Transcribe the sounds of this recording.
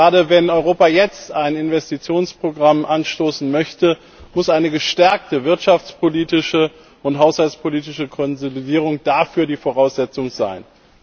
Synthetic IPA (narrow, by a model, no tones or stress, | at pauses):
aːɾəvɛnɔʏʁ̞oːpajɛt͡staɪnɪnvɛstit͡sjoːnspʁ̥oɡʁamʔanʃtoːsn̩mœçtə | mʊsʔaɪnəɡəʃtɛɐk̚təvɪɐtʃaft͡spʰoliːtɪʃə | ʊntɦaʊshalt͡spʰoliːtɪʃəkʰɔnzolidiːʁ̞ʊŋd̥afyːɐdiːfoʁ̞aʊsz̥ɛt͡sʊŋza̰ɪn